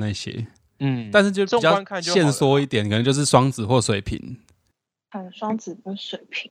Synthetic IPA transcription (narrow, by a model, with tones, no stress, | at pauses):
na˥˧˩ɕjḛ˦˥˩ | t̪a˥˧ns̬ɻ̩˥˧t͡ɕo˥˧˨i˥˧˨jɑ˥˨kʰa˥˨ɕjɛ˥˨nswɔ˦i˥˩t̪jɛ˨˦nk̪ʰə˧˦ŋt͡ɕjʂɻ̩˥˩swɑ˥ŋt͡sɹ̩˨˩xwɔ˥˩swe˨˩ɪpʰḭ˨˩˦n | ə˨˩swɑ˥ŋt͡sɹ̩˨˩pu˧˥swe˨˩ɪpʰi˨˩˦